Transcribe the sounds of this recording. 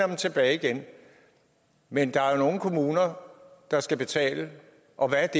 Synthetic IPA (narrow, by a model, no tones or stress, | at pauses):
ɐ̥mt͡sʰe̝b̥ɛːiɡ̥en | mend̥ɑ̈æɐno̝ːn̩kʰo̝muːnɐd̥ɑ̈sɡ̥æb̥e̝t͡sʰɛ̰ːlə | ʔɒ̽ʋæd̥e